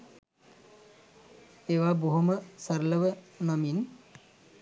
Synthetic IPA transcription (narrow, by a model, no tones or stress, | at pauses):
eːʋaːboɦuməsɐɾlɐʋənɐmin